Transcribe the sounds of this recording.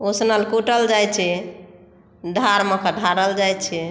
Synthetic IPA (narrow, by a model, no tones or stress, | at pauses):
osnəlkuʈəld͡ʒajt͡ʃʰɛ | d̪ʱaɾməkəɖʱaɾəld͡ʒajt͡ʃʰɛ